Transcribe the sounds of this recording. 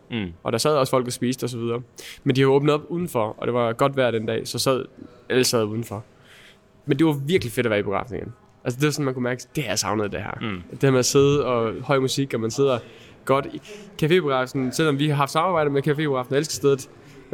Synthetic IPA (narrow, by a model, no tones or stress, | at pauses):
ʔɒ̽ɾ̥ɑsɛð̞̰ˠɒ̽sfɒ̽l̰ɡ̥æsb̥ḭːsd̥ɒ̽s̬ɒʋið̞ˠɐːmend̥ihɑɔ̽ːb̥n̩əð̩ˠɒb̥uðˠn̩fɒɒ̽d̥e̝ʋɑ̈ɡ̥ɒ̽d̥ʋæɐ̰d̥end̥ɛ̰ːsɒ̽sæð̞̰ˠ | æləsɛð̞̩̰ˠuːð̞ˠn̩fɒ̽ | mend̥e̝ʋɑ̈ʋiɐɡ̥life̝d̥ɒʋæːɐib̥eɡ̥ʁɑ̰̈fne̝ŋn | ʔæls̬əd̥e̝ʋɑsɒ̽nmænkʰumæɐɡ̥əd̥eæjasɑ̈ʊnð̞̩ˠd̥ehæ̰ɐ̰d̥e̥eæɐmeæse̝ð̞ˠəɒ̽hɒ̽ɪ̰musiɡ̥ɒmænse̝ð̞̰ˠɐ | ɡ̥ɒ̽d̥ikʰæfe̝̰̥ːeɡ̥ʁɑ̈fsn̩sel̰ɒ̽mʋihɑ̈ɦɑfd̥sɑ̈mɑ̈ːb̥ɑ̈ɪ̰d̥əmekʰæfe̝̰ːpeɡ̥ʁɑ̈fn̩elsɡ̥ə̥sd̥eðˠð̩ˠ